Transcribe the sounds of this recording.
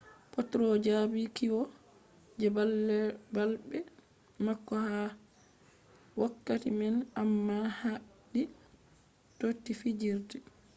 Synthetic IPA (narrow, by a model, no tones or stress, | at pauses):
pɔtɾɔd͡ʒabikiwɔ | d͡ʒɛbalːɛbalbɛ | makːɔha | wakːatimɛnamːaha | ɗi | totːifid͡ʒiɾti